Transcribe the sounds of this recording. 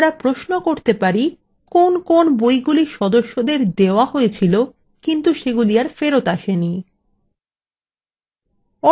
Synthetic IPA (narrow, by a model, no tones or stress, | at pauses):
ɾapɾoʃnokoɾt̪epaɾi | konkonbojɡuliʃɔd̪oʃːod̪eɾd̪eoaɦojet͡ɕʰilo | kint̪uʃeɡulijaɾfeɾot̪aʃeni | ɔ